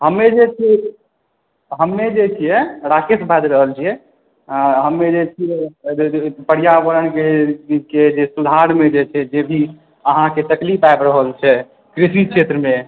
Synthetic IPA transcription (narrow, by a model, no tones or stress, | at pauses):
ɦəmːed͡ʒet͡ʃʰɛ | ɦəmːed͡ʒet͡ʃʰijɛɾakesbʱad̪ɾəɦəlt͡ʃʰijɛ | aɦəmːed͡ʒet͡ʃʰijɛ | pəɽijaʋəɾənkeked͡ʒesud̪ʱaɾmed͡ʒet͡ʃʰɛd͡ʒebʱi | əɦãket̪əklipaebɾəɦəlt͡ʃʰɛ | kɾisikʃʰet̪ɾəme